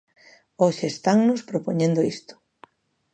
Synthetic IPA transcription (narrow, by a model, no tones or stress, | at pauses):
oʃeest̪aŋnʊspɾopoɲẽnd̪oist̪ʊ̥